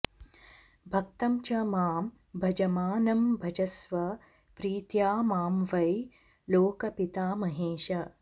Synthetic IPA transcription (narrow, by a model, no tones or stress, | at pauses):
bʱɐkt̪ɐmt͡ʃɐmaːm | bʱɐd͡ʒɐmaːnɐmbʱɐd͡ʒɐsʋɐ | pɾiːt̪jaːmaːmʋɐj | loːkɐpit̪aːmɐɦeːʃɐ